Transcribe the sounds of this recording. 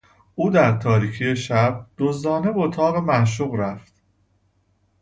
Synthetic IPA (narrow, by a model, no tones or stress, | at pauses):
ʔuːd̪æɾt̪ʰɒːɾiːcʰijeʃæb̚d̪̥ozd̪ɒːne̞beot̪ʰɒːɣemænʃ̬uːɣɾæft̪